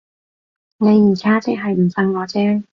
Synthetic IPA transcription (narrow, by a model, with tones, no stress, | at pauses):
ne˨˧jːiː˨˩kaː˥t͡sɪ˨k̚ɦɐ˨jm̩˨˩fɐ˥nŋɔː˨˧t͡sɛː˥ŋ